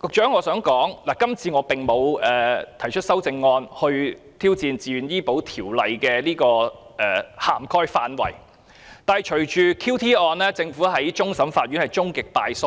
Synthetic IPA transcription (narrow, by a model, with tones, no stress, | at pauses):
kʊ˨k̚t͡ʃœː˨˥ŋɔː˨˧sœː˨˥ŋkɔː˨˥ŋlaː˨˩kɐ˥mt͡sʰiː˧ŋɔː˨˧pɪ˨ŋmo˨˧wɛː˨t̪ʰɐ˨˩jt͡ʃʰɵ˥t̚sɐ˥wt͡sɪ˧ŋːɔː˧nhɵ˧ɥ | t̪ʰiː˥wt͡siː˧nt͡siː˨˧yː˨njiː˥po˨˥wt̪ʰiː˨˩wlɐ˨jkɛː˧liː˥kɔː˧ʔɛː˨˩haː˨˩mkʰɔː˥jfaː˧nwɐ̰˨˩j | t̪aː˨hɐ˨jt͡ʃʰɵ˨˩ɥt͡ʃyː˨kʰi˥wt̪ʰiː˥ɔː˧nlɛː˥t͡sɪ˧ŋfuː˨˥ɦɐ˨˥jt͡ʃʊ˥ŋsɐ˨˥mfaː˧t̚ɥy˨˥nhɐ˨jt͡ʃʊ˥ŋkɪ˨k̚paː˧jso˥